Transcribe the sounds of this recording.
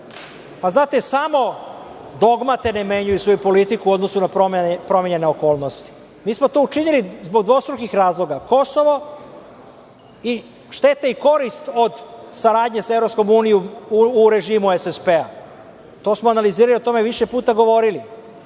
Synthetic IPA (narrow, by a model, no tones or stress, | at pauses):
paznaːt̪e̞samo̞d̪o̞ɡmat̪e̞neme̞ɲujusʋo̞jupo̞lit̪ikuo̞d̪no̞sunapompɾo̞mʲeɲe̞ne̞o̞ko̞ːlˠno̞st̪i̥ | miːsmo̞t̪oːut͡ʃiɲilizbo̞ɡ̚d̪ʋo̞st̪ɾukixɾaːzlo̞ɡako̞so̞ʋo̞ | i | ʃt̪e̞t̪eiko̞ɾist̪o̞d̪saɾaːd̪ɲesaevɾo̞psko̞muːnijomuɾe̞ʒimuesespea | t̪o̞ːsmoanaliziːɾaliot̪o̞me̞ʋiʃe̞puːt̪aɡo̞ʋo̞ɾili